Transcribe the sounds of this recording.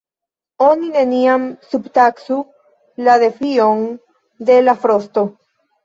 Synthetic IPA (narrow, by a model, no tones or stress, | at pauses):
o̞nine̞niamsubt̪aksu | laðe̞fion | d̪e̞lafɾost̪o̞